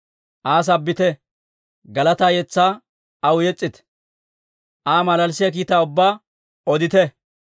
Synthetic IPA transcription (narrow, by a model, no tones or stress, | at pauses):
ʔaːs̬ɐbːɪt̪ɛ | ɡɐlɐt̪aːjɛt͡sːaː | ɐwjɛt͡sʼːɪt̪ | ʔaːmɐlɐlsɪjɐkiːt̪aːʊbːaː | ɔd̪ɪt̪ɛ